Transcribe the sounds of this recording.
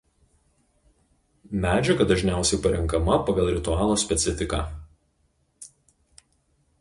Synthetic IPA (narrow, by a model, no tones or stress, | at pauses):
mʲæːd͡ʒʲɛɡɐd̪ɐʒʲnʲæˑʊsʲɛɪpɐɾʲɪŋˑkɐmɐpɐɡɐlˠɾʲɪt̪ʊɑːlˠoːsʲpʲɛt̪sʲɪfʲɪkɑ̰ː